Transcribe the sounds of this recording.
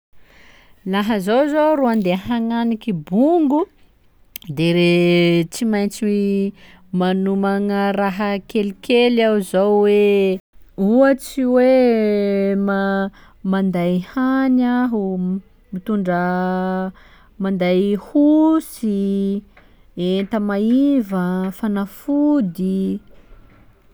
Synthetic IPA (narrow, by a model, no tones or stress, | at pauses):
laɦəzozoɾuand̪eɦaŋanikibuŋɡu | d̪eɾet͡simajnt͡si | manumaŋəɾaɦəkelikelawzowe | uat͡siwe | ma | mand̪ajhanaɦu | mit̪uɳɖ͡ʐə | mand̪ajhusi | ent̪əmaivəfanafud̪i